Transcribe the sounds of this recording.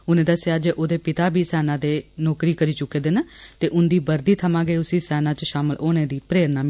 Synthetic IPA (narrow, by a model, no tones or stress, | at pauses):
ʊnẽːd̪əsjaːd͡ʒeːʔoːd̪eːpɪt̪aːbʱiːsɛːnãːd̪eːnɔːkɾiːkəɾiːt͡ʃʊkːeːd̪eːnət̪eːʔʊnd̪iːbəɾd̪iːt̪ʰəmãːɡəeːʊsĩːsɛːnãːt͡ʃʃaːməlʔoːnẽːd̪iːpɾeːɾnaːm